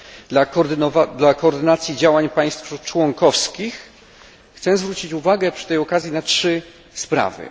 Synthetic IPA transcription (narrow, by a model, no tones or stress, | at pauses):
d̪lad̪lakɔːɾd̪ɘnat̪sʲjid͡ʑawaɲpaj̃st̪ft͡ʂwɔŋkɔfskʲix | xt̪sɛzvɾut͡ɕit͡ɕuvaɡɛpʂɘ̥t̪ɛjɔkazʲjinatʂɘ | spɾa̰vɘ̰